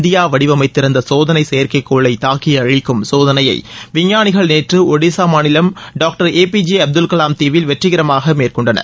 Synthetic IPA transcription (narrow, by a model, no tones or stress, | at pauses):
nd̪ɪjaːʋɐɽɪʋɐmɐɪt̪ːɪɾɐnd̪ɐsoːðɐnɐɪsɛjɐɾkɐɪkːoːɭːɐɪt̪aːkːɪjɐːɻɪkːɯmsoːðɐnɐjɐ̰ɪʋɪɲːaːnɪɣɐɭneːʈrɯɔɽisaːmaːnɪlɐmɖaːk̚ʈɐɾeːpid͡ʒiɐb̚d̪ɯlkɐlaːmt̪iːʋɪlʋɛʈrɪɣɪɾɐmaːɣɐmeːrkɔɳɖɐnɐ̰